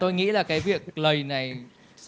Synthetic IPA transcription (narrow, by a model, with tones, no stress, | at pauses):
t̪o˧jŋḭ˧˥laː˨˩kaː˨˦jvi˨˩ək̚lə˨˩jna˨˩j | s